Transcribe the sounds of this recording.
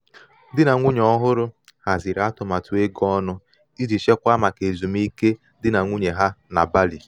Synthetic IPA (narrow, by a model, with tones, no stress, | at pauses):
dɪ˦na˨ŋʷu˦ɲɔ˦ɦʊ˦ɾʊ˦ | ha˨zi˨ɾa˦tʊ˨ma˨tʊ˦e˦ɡɔ˦nʊ˦ | i˦di˨ʃe˦kʷa˦ma˨ke˨zu˨m˦i˦ke˦ | dɪ˦na˨ŋʷu˦ɲe˨ɦa˦na̰˨ba˦li˨